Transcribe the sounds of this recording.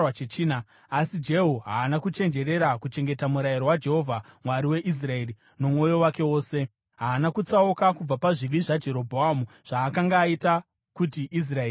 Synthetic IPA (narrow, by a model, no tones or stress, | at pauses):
wat͡ʃet͡ʃiːna | asid͡ʒe̞ɦuɦaːnakut͡ʃe̞nd͡ʒe̞ɾe̞ɾakut͡ʃe̞ŋɡe̞tamuɾajiɾowad͡ʒe̞ɦo̞vʱamwaɾiwe̞ʔis̬rae̞ri | no̞mwo̞jo̞wake̞wo̞ːse̞ | ɦaːnakut͡saukakub͡vapaʐiʋiʐad͡ʒe̞ɾo̞bʱoamuʐ̥aːkaŋɡaːita | kutiʔis̬rae